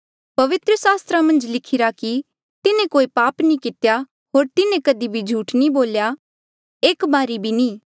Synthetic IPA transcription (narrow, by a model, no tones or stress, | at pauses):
pɐʋɪt̪ɾəsaːst̪ɾamɐ̃nd͡ʒlɪkʰɪɾaki | t̪ɪnẽkoːipaːpnĩkɪt̪ja | ɦoːɾt̪ɪnẽkɐd̪ibʱid͡ʒʱuːʈnĩboːlja | eːkbaːɾibʱinĩː